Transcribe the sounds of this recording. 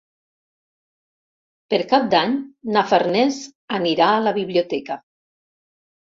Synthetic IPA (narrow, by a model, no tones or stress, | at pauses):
peɾkap̚d̪aɲnafərnɛzəniɾaːləβiβliut̪ɛkə